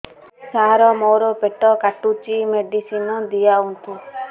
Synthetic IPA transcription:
saɾɔmowɾɔpeʈɔkaʈut͡ʃimeɖisinɔd̪ijaunt̪u

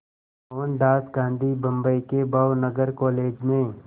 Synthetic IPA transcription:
oːnɖ̪aːsɡãːnd̪ʱibɐ̃mbəikebawnəɡəɾkɔːleːd͡ʒmẽ

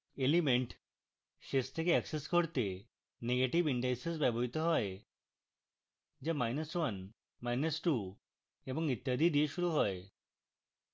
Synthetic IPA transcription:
elimeɳʈ | ʃest̪ʰekeɛkseskoɾt̪e | neɡeʈibiɳɖajsesbɛbɔɾit̪ɔɦɔe | d͡ʑemajnəswan | majnəsʈu | ebɔŋit̪ːjad̪ʱid̪ieʃuɾuɦɔe

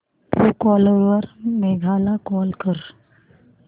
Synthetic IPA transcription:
pokɔːləɾwəɾmeːɡʱaːlakɔːlkəɾ

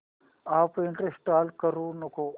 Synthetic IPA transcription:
aːpiɳʈɾesʈaːlkɐɾuːnuko

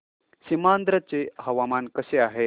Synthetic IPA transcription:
simand̪ɾət͡seɦəʋamankəseaɦe

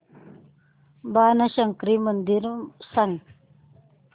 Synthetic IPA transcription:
baːnɐɕɐŋkɾimənd̪iɾsɐŋ

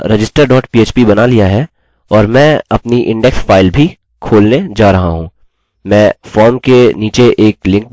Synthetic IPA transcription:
ɾed͡ʒɪsʈəɾɖɔːʈpiːeːt͡ʃpibɐnalijaɦɛ | ɔːɾmɛ̃ːɐpniʔɪ̃ɳɖɛksfaːɪlbʱi | kʰoːlned͡ʒaːɾɐɦaɦũː | mɛ̃ːfɔːɾmkeniːt͡ʃeʔeːklɪ̃ŋk̚

